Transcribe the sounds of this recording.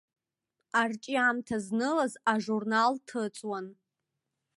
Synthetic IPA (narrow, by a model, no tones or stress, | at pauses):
art͡ʃʼiamtʰaznɨlazaʐurnaltʰɨt͡sʼwan